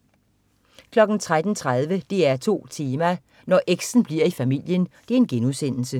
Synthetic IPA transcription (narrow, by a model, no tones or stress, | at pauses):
kʰlɒ̽ɡ̥n̩t͡sʰʁad̥n̩t͡sʰʁað̞ˠʋəd̥e̝æɐt͡sʰo̝̰ːt͡sʰiːmæ | nɒʔeɡ̥sn̩b̥liɐifæmil̰jənd̥e̝ɐe̝nɡ̥enusen̰l̩sə